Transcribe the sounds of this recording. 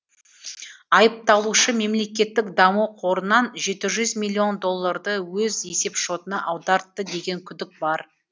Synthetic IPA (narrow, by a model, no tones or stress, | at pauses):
ɑjəp̚t̪ɑlˠuʃəme̞mle̞kʲe̞t̪ːɪkd̪ɑmuqʰo̞ɾənɑnʒe̞t̪ɪʒʏzmilʲːio̞nd̪o̞lˠːaɾd̪əwɵz̞e̞se̞pʃo̞t̪ənɑʔɑwd̪ɑɾt̪ːəd̪e̞ɡʲe̞ŋkʲʰʏd̪ɪk̚bɑɾ